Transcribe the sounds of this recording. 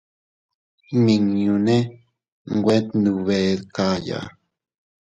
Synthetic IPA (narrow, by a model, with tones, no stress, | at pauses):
mi˨ŋɲu˨ne˦ | ŋɡʷwe˦t̪nu˨βe˨ðka˦ja̰˨